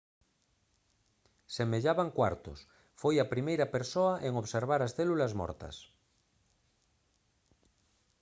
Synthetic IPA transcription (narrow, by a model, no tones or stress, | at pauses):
semeʎaβaŋkwaɾt̪o̰s | fojapɾimejɾapeɾsoaʔeŋoβseɾβ̞aɾasθelulazmɔ̰ɾt̪ɐ̰s